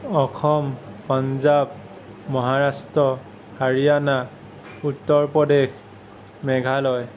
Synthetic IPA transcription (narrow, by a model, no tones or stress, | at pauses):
ɔxʰɔmpanzab̚ | mɔɦaɹastɔ | haɹijana | utːɔɹpɹɔdex | mɛɡʱalɔj